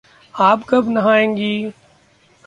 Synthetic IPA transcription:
aːpkɐbʱnɐɦãːẽːŋɡiː

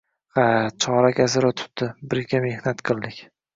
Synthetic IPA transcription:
χat͡ʃʰɒɾaɡʲazɪɾɒt̪ʰʊ̥t̪̚d̪ɪbɪɾɡʲame̞hnat̪qʰɨlˠd̪ɪkʲ

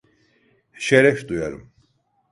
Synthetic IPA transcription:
ʃeɾɛfd̪ujaɾɯ̰m

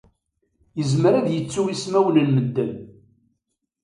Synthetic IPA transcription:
jəzməɾæðjət͡sːuwismæwənənməd̪ːəm

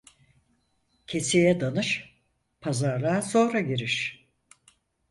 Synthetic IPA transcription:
cʰe̞sijɛd̪anɯʃ | pʰazaɾlˠaːso̞ːɾaɟiɾiʃ

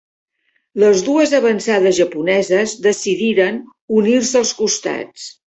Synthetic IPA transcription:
ləzðuəzəβənsaðəzʒəpunɛzəzðəsiðiɾən | unirsəːlˠskust̪a̰t͡s

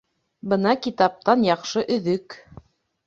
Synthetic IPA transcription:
bɤnɑkit̪ɑp̚t̪ɑnjɑqʃɤʔɵ̆ðɵk

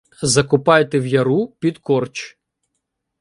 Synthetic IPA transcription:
zɐkʊpɑjet̪ewjɐɾupʲid̪kɔrt͡ʃ

